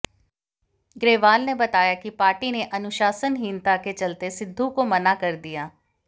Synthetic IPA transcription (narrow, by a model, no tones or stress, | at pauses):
ɡɾeːʋaːlneːbət̪aːjaːkɪpaːɾʈiːneːʔənʊʃaːsənɦiːnt̪aːket͡ʃəlt̪eːsɪd̪ʱːukomənaːkəɾd̪ɪjaː